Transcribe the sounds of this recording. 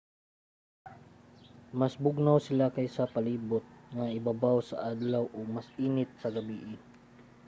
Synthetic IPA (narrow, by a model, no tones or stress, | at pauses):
mɐsbʊɡ̚nawsɪlakajsɐpɐliːbʊt̪̚ŋaʔɪbabawsɐ̰ʔad̪lawʔoɡmasʔiːnɪt̪̚sɐɡɐbiːʔɪ